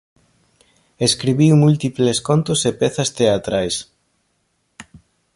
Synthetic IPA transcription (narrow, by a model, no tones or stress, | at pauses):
eskɾiβiwmult̪ipleskont̪osepeθɐst̪eat̪ɾajs